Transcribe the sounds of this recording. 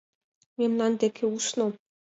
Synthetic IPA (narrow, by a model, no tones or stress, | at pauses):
mʲemnɑnd̪ekʰʲeusno